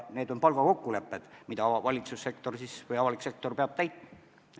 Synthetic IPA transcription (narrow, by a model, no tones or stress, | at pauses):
ne̞ːd̪o̞npɑlɡɑko̞kːule̞pːˑe̞d̪̥mid̪ɑvɑlʲit̪susːe̞kt̪o̞rsisvɤjɑvɑlikse̞k̚t̪o̞rpeɑb̥̚t̪æjt̪